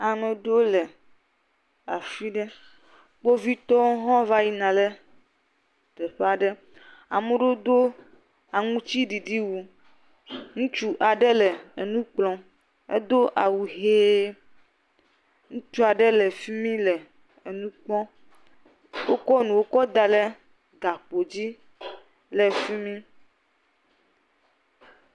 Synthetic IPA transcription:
a˨nɔ̃˨ɖo˦le˨ | a˨fi˦ɖe˦ | k͡po˦vi˦t̪ɔ˦ɦɔ̃˦va˦ji˦nã˨le˦ | t̪e˨ɸa˨ɖɛ˦ | a˨mẽ˦ɖo˦d̪o˦ | a˨ŋũ˦t͡ɕi˦ɖi˨ɖi˦wu˨ | ŋũ˦t͡ʃu˦ʔa˨ɖɛ˦le˨e˨nũ˦k͡plɔ̃˨ | ḛ˦d̪o˦ʔa˨wu˨ɦeː˦ | ŋũ˦t͡ʃu˦a˨ɖɛ˦lɛ˨fi˦mĩ˦lɛ˨ | e˨nũ˦k͡pɔ̃˦ | wo˦kɔ˦nũ˨wo˦kɔ˦d̪a˨le˦ | ɡa˨k͡po˨d͡ʑi˦ | lɛ˨fi˦mĩ˦

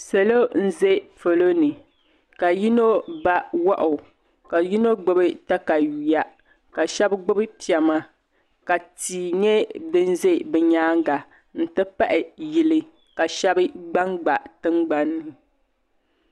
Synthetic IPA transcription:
sɛ˨lo˦n̩˦ze˦fo˨lo˦nɨ˨ | ka˨ji˦no˦ba˦wɔ˦ʔʊ˨ | ka˨ji˦no˦ɡ͡bʊ˦bɨ˦ta˦ka˨ji˨ja˦ | ka˨ʃɛ˦bɡ͡bʊ˦bɨ˦pi˨ɛ˨ma˦ | ka˨tiː˨ɲɛ˦dɨ˦n˦ze˦bɛ˨ɲaː˦ŋ˦ɡa˨ | n̩˦tɨ˦pa˦ʔɪ˨ji˨lɨ˦ | ka˨ʃɛ˦bɨ˦ɡ͡ba˦ŋɡ͡ba˨tɨ˦mɡ͡ba˨nːɨ˦

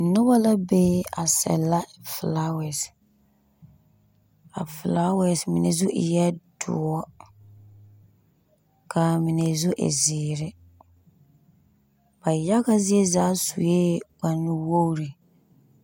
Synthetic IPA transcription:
nʊ˦ba˦la˦be˦a̰˨sɛ̰˨la˦fla˦wɛ˨s | a̰˨fla˦wɛ˨smi˨nḛ˨zʊ˦ʔɪ̰˨jɛ˦dʊ̰˨ɔ˦ | kʰa˨mi˨ne˨zu˦ʔḛ˨zɪː˨ɾɪ˦ | ba˨ja˦ka˦zi˦e˦zaː˨˦sṵ˨jeː˦wa˨nːɪ˦wo˦ɾi˨

